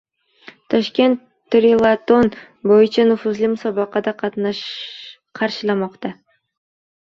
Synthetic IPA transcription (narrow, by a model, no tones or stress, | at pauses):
t̪ʰɒʃkʲe̞nt̪ː | ɾilˠat̪o̞n | bojɪt͡ʃʰanʊfʊzlˠɪmʊsɒbɑqɑd̪aqʰɑt̪nɑʃ | qʰɑɾʃɪlˠamɒqt̪ɑ